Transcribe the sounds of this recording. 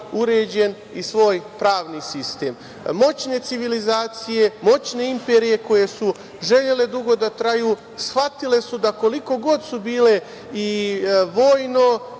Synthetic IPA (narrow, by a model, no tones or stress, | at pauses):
uɾed͡ʑe̞n | isʋo̞ːjpɾaːʋnisist̪e̞ːm | mo̞t͡ɕne̞t̪iʋilizaːt̪sije̞mo̞t͡ɕne̞impeɾije̞ko̞je̞su | ʒe̞ʎe̞le̞d̪uɡo̞d̪at̪ɾajuː | sxʋat̪ile̞sud̪ako̞liko̞ɡo̞d̪subiːle̞ | iʋo̞ːjno̞